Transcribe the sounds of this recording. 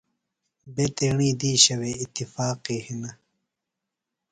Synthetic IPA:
beːt̪eːɳiːd̪iːɕɐweit̪ːifaːqiːhinɐ

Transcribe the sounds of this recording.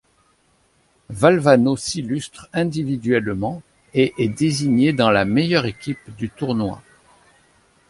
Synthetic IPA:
valvanosilyst̪χɛ̃d̪ivid̪ɥɛlmɑ̃ | eʔɛd̪eziɲed̪ɑ̃lamejœʁekʲipd̪yt̪uʁnwa̰

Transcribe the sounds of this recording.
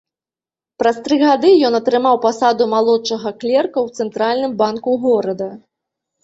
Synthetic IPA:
pɾɐst̪ɾɨɣad̪ɨjɔnɐt̪ɾɨmawpasad̪umalˠɔt͡ʂɐɣɐklʲɛrkɐwt̪sɛnt̪ɾalʲnɨmbankuɣɔɾɐd̪ɐ

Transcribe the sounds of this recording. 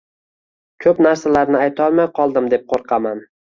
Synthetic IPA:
kʲʰɵpnaɾsalaɾnɪajt̪ʰɒlˠmajqʰɒlˠd̪ɪmd̪e̞p̚qʰoɾqʰɑman

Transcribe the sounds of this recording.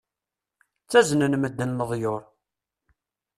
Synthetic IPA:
t͡sːæznənməd̪ːənːəðˤjoɾˤ

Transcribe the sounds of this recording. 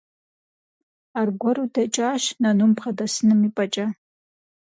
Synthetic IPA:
arɡʷɔɾudɐt͡ʃʼaːʃnɐnumpχɐdɐsɨnɨmipʼɐt͡ʃʼɐ

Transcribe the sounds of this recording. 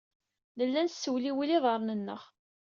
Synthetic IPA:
ləlːænsːəwliwiliðˤəɾˤnənːə̰ʁ

